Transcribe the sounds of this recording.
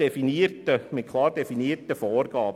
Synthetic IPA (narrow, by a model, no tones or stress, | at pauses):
ɛfiniːrtəmɪt̚kʰlɑːɾdɛfiniːəɾtəfɔːrɡɑːb